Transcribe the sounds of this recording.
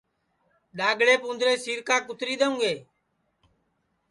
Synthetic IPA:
ɗaːɡɽeːpũːnd̪ɾeːsiːɾkãːkʊt̪ɾiːɗ̪eũːɡeː

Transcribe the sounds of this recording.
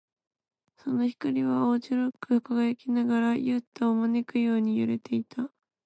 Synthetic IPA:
so̞no̞çi̥kaɾʲiβaoːt͡ɕiɾɯkɯ̟ɯkaɡaakʲinaɡaɾajɯːt̪ːaomanekɯ̟jo̞ːɲ̟ijɯ̰ɾe̞t̪ʰe̞it̪ʰa

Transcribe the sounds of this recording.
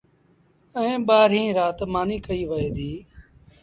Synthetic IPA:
ə̃ːɓaːɾɦĩːɾaːt̪maːniːkəiːʋəɦeːd̪iː

